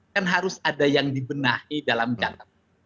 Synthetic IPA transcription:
anɦaɾʊsadajaŋdibənahidalamd͡ʒakat̪̚

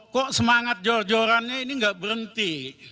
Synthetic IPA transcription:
kɔʔsəmaŋat̪̚d͡ʒɔrd͡ʒoɾanːeiniŋɡaʔbəɾənt̪i

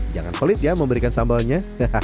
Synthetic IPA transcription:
d͡ʒaŋa̰nfolɪt̪̚jaməmbəɾikansambalɲa

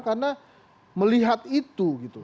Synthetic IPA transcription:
karna | məliɦat̪it̪uɡit̪u

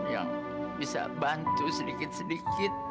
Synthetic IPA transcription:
ja̰ŋ | bisa̰bant̪usədikɪt̪̚sədikɪt̪̚

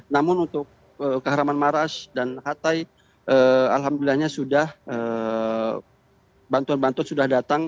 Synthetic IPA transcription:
namʊnunt̪ʊk̚ | əkːəɦaɾamanmaɾasdanhat̪aj | ʔəalɦamdulilahɲasudahʔə | bant̪uanbant̪uansudahdat̪aŋ

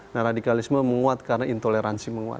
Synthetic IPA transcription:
naradikalisməməŋuat̪̚karənaint̪oleɾansiməŋua̰t̪̚

